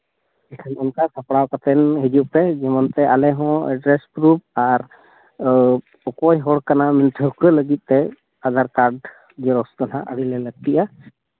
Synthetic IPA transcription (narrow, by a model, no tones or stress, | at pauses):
ɛkʰanɔnkasʰapɽawkat̪ɛnɦid͡ʒuʔpɛd͡ʒɛmɔnt̪ɛʔalɛɦɔ̃ɛ̰ɖɾɛspɾup̚aɾ | ɔkɔjɦɔɽkanamɛnt̪ʰəkələɡit̪̚ˀt̪ɛ | ad̪aɾkaɾɖ | d͡ʒɛɾɔsd̪ɔna̰ʔəɽilɛləɡ̚t̪iʔa